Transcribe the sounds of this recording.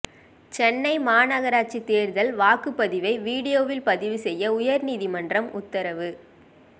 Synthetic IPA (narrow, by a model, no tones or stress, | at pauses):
t͡ʃɛnːɐɪmaːnɐɣɐɾaːt͡ʃit̪eːɾðɐlʋaːkɯpːɐðɪʋɐɪʋiːɽɪjoːʋɪlpɐðɪʋɯsɛjːɐʊjɐɾniːðimɐndrɐmʊt̪ːɐɾɐʋɯ